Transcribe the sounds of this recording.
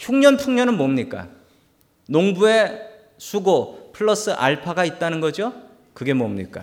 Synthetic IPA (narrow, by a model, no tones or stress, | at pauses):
çʰjuŋɲʌnpʰuŋɲʌnɯnmomɲik͈a̰ | noŋbue̞ | sʰuɡopʰɯɭːʌs͈ɯʔa̰ɭpʰaɡait̚t͈anɯnɡʌd͡ʑo | kɯɡe̞momɲḭk͈a̰